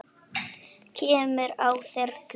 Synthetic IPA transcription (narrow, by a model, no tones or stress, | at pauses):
cʰɛːmʏɾawθɛɾt